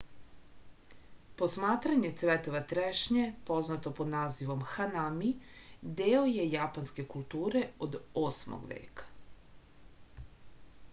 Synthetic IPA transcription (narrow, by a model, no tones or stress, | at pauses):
po̞smaːt̪ɾaɲe̞t̪sʋet̪oʋat̪ɾeʃɲepo̞znat̪o̞pod̪naːziʋo̞mxanamid̪eːojejapanske̞kulˠt̪uːɾe̞od̪oːsmo̰ɡʋḛːkḁ